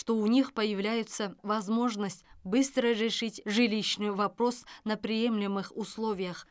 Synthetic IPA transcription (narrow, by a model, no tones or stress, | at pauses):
ʂt̪o̞ʊnʲixpəjɪvlʲæjʊt̪səvɐzmo̞ʐnəsʲtʲbɨst̪ɾəɾʲɪʂɨtʲʐɨlʲiɕnɨjvɐpɾo̞snəpɾʲɪjemlʲɪmɨxʊslˠo̞vʲɪjəx